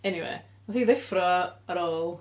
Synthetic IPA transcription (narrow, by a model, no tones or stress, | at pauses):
ɛniwḛː | wɛlˠiːðɪfrɔəɾoːlˠ